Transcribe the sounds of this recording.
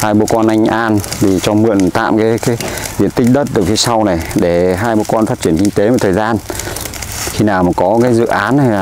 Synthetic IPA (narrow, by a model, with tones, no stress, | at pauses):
haː˧jɓu˧˩kɔ˧nʔa˧jŋ̟ʔaː˧nt̪ʰi˨˩t͡ɕɔ˧mɨ̰˧˨ənt̪a̰ː˧˨mkaː˨˦jkaː˨˦jzḭ˧˨ənt̪ï̟˦˥ɗə˦˥t̚ɗɨ˨˩k̚fi˨˦sa˧wna˨˩jɗe˧˩ɦaː˧jɓu˧˩kɔ˧nfaː˦˥t̚t͡ɕi˧˩ənkï˧ŋ̟t̪e˨˦mo˧˨˩t̪ʰəː˨˩jzaː˧n | xi˧naː˨˩wma˨˩kɔ˨˦kaː˨˦jzɨ̰˧˨ʔaː˨˦n˨˧˨